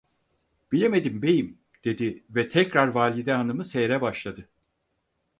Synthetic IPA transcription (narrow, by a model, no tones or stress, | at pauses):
b̥ilʲe̞me̞d̪imbe̞jim | d̪̥e̞d̪ivɛt̪ʰɛcɾaɾvaːlʲid̪ɛɦanɯmɯsejɾɛbaʃlˠad̪ɯ